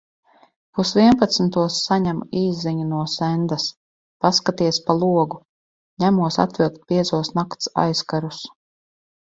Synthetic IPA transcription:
pusviɛnpat̪sm̩t̪uɔsːaɲæmiːzːiɲunuɔsɛnd̪as | paskat̪iɛspalˠuɔɡu | ɲæmuɔsa̰t̪vilˠk̚t̪̚piɛzuɔsnakt̪sa̰jskaɾus

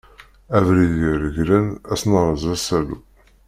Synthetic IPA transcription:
ævɾiðjiɾəʝlənæsnəɾˤəzˤæsælṵ

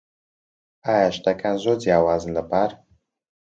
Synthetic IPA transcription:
aːjaʃt̪ɐkʰanzod͡zjaːwaːzɨnlɐbaɾ

